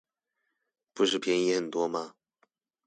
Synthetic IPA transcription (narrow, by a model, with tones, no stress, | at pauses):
pu˧˥ʂɻ̩˥˩pʰjɛ˧˥ni˧˥xə˨˩nt̪wɔ˥ma˧